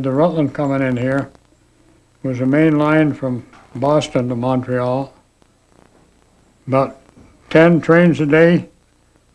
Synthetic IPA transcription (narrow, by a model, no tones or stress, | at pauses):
d̪̚ðɨɹʌtˡlə̃nkʰʌmɪ̃ŋɨ̃nhiɹ | wʌzɨmẽɪ̃nlãɪ̃nfɹʌ̃m | bɔstɨ̃ntəmɑ̃ntʰɹ̥iɑlˠ | bʌtʰ | ɛ̃ntʰɹ̥ẽɪ̃nzɨdeɪ